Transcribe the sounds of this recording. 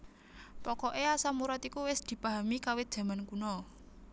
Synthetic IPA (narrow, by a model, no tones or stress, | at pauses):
pɔkɔʔeasamuɾat̪ikuwɪsd̪̥i̤pa̤ɦamikawɪt̪̚d̥ʒ̥ä̤mankunɔ